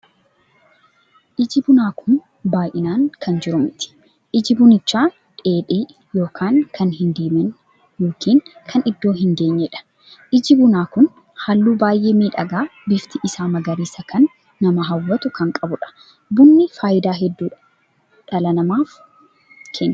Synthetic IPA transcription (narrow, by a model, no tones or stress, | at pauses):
ʔɪd͡ʒɪbʊnaːkʰʊn | baːjʔɪnaːŋkɐnd͡ʒɪɾʊmɪt̪ɪ̥ | ʔɪd͡ʒɪbʊnɪt͡ʃːaː | ᶑe̞ːᶑiː | jo̞ːkʰaːŋkʰɐnɦɪnd̪eːmɛn | jo̞ːkʰiːŋkʰɐnɪd̪ːo̞ːɦɪŋɡe̞ːɲːɛᶑɐ̥ | ʔɪd͡ʒɪbʊnaːkʊn | hɐlːuːbaːjʔeːmiːᶑɐɡaːbɪft̪ɪʔɪsaːmɐɡɐɾiːsɐkʰɐnː | ɐmɐɦɐwːɐt̪ʊkɐŋkʼɐbʊᶑɐ̥ | bʊnːɪfaːjɪd̪aːɦɛd̪ːuːᶑ | ᶑɐlɐnɐmaːf | kʰeːnː